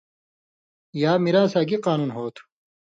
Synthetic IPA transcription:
jaːmiɾaːsaːɡiqaːnuːnɦoːt̪ʰu̥

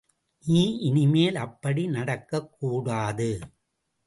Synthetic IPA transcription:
niːʔɪnɪmeːlɐpːɐɽinɐɽɐkːɐkːuːɽaːðɯ

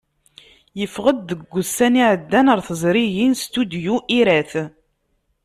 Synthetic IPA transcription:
jəfʁəd̪ːəɡʷːusːæniʕəd̪ːænəɾθəzˤɾijinst̪ud̪juʔiɾæθ

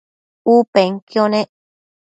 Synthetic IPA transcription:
upeŋkjonẽ

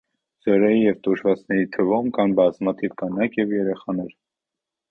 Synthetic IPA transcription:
z̥ɔɾɛjijɛvt̪uʒvɑt͡sʰnɛɾit̪ʰəvumkʰɑnbɑzmɑt̪ʰivkɑnɑkʰjɛvjɛɾɛχɑnɛɾ

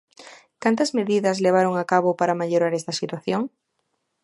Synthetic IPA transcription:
kant̪ɐzmeðiðɐzleβ̞aɾoŋakaβopaɾamaʎoɾaɾest̪ɐsit̪waθjoŋ

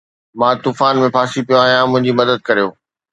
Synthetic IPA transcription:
mãt̪uːfaːnmẽpʰaːsipijõaːɦijãmʊ̃ɦɪ̃ɲd͡ʑimɐd̪əd̪̚kɐɾijoː

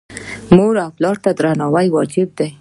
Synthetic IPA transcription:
moɾawplɑɾt̪ad̪ɾanɑwajwɑd͡ʒɪb̚d̪aj

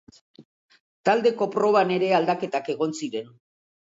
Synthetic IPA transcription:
t̪ald̪e̞ko̞pɾo̞β̞ane̞ɾe̞ald̪ake̞t̪ake̞ɣ̞o̞nsiɾe̞n

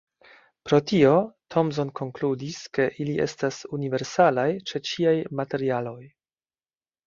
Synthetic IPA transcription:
pɾo̞tio̞tʰo̞ms̬o̞nko̞ŋkludiske̞ʔiliʔe̞̰stasunive̞ɾsalajt͡ʃe̞t͡ʃiajmate̞ɾialo̞j

